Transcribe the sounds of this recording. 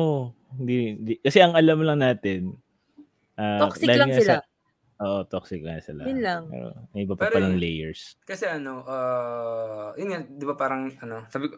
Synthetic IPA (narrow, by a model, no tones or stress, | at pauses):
ʔohɪnd̪iɪnd̪ikɐsɛʔɐŋɐlamlɐŋnaːt̪ɛn | ʔaːodɪalɪsa | ʔoːʔot̪oksɪk̚lɐŋsɪla̰nlaŋ̰ːo̰mɐʔɪbapɐɾpɐlɐŋlɛjɛɹskɐsɛʔɐno̞ʔa | jʊnŋad̪ɪbapaːɾɐŋʔɐno̞saːbɪko